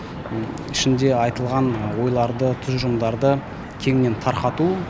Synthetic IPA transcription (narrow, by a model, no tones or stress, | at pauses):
ɪʃɪnd̪e̞ɑjt̪əlˠʁɑnwo̞jlˠɑɾd̪ət̪ʰʏzʒʊmd̪ɑɾd̪ə | kʲʰe̞ŋɪne̞nt̪ʰɑɾqɑt̪u